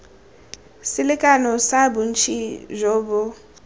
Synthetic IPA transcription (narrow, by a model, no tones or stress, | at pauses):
sɪlɪkʼanɔsabun̩t͡ʃʰḭʒʷoːbʊ